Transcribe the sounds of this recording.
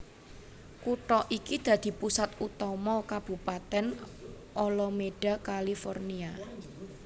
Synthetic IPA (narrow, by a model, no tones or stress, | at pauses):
kuʈɔʔikid̪̥ä̤d̪̥i̤pusat̪̚ut̪ɔmɔkab̥ṳpat̪ɛn | ʔɔlɔmeɖ̥ä̤kalifɔrnia